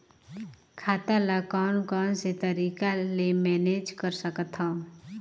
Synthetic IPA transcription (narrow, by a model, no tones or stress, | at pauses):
kʰaːt̪alakɔːnkɔːnset̪əɾiːkalemɛːned͡ʒkəɾsəkət̪ɦɔ̃ː